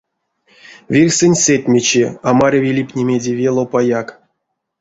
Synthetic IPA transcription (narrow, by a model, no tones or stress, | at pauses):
vʲirʲsʲɨnʲsʲetʲmʲet͡ɕiamaɾʲavʲilʲipʲnʲemʲedʲevʲelˠopajak